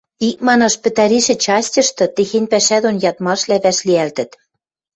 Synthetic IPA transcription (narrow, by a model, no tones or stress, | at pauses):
ik̚mɑnɑʃpɘ̆t̪æɾiʃɘ̆t͡ɕɑsʲtʲɤ̆ʃt̪ɤ̆t̪exenʲpæʃæd̪onjɑt̪mɑʃlæβæʃliælt̪ɘ̆t̪